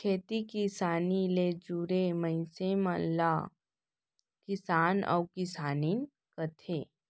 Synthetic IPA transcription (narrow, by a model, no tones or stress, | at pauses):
kʰeːt̪ikisaːnileːd͡ʒuːɾemə̃ɪ̃semãla | kɪsaːnɔ̰ːkɪsaːniːn | kɐt̪ʰeː